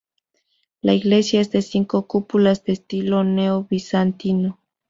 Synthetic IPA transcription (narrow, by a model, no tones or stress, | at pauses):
laiɣle̞sjaesd̪esiŋkokupulasd̪est̪ilo̞neoβisant̪ino